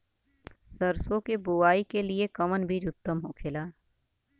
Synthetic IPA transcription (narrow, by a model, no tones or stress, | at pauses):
səɾsokebʊʋaːikeliekɐmənbʱiɾʊt̪ːəmɦoːkʰeːlaː